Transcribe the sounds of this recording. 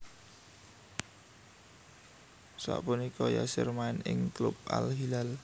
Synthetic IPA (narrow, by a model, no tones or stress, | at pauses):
sa̰ʔpunikʰɔja̰sɪrmaɪnɪŋklʊp̚ʔa̰lɦilal